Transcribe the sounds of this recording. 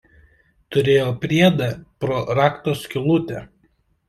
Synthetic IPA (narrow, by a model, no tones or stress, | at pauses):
t̪ʊɾʲeːjoːpʲɾʲiɛd̪ɐpɾɔɾɑːkt̪oskʲɪlˠʊt̪ʲɛ